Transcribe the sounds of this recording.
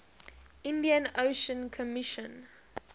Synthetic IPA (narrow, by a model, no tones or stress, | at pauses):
ɪ̃ndiə̃noʃə̃nkʰɔmɪʃə̃n